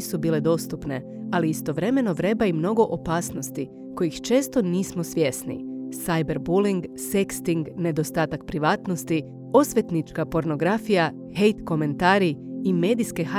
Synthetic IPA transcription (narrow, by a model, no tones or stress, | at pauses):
subiːle̞d̪o̞st̪upne̞ | aliist̪o̞ʋɾe̞me̞no̞ʋɾe̞baimno̞ɡo̞ʔopaːsno̞st̪i | ko̞jixt͡ʃe̞ːst̪o̞niːsmo̞sʋje̞snḭsajbe̞ɾbuliŋɡ | sekst̪iŋɡne̞d̪o̞st̪aːt̪akpɾiʋaːt̪no̞st̪i | o̞sʋjet̪nit͡ʃkapo̞ɾno̞ɡɾafija | hejt̪ko̞me̞nt̪aːɾiːme̞ːd̪iske̞xa